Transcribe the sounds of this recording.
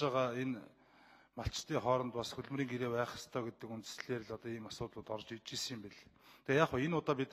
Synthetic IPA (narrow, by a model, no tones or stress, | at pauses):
aːʁaːen | maɬt͡ɕt̪iːχɔːɾɞ̆nt̪pɔsxɵɮm̆ɾiːŋɡiɾeːpæːχə̥̆st̪ʰœːɡet̪ɘ̆kunt̪ɘ̆sɮeːɾɘ̆ɮɔt̪ɔːiːmasʊːt̪ɮʊːt̪ɔɾt͡ɕit͡ɕiːsimpiɮt̪ʰejaːχʊenʊt̪aːpʲit̪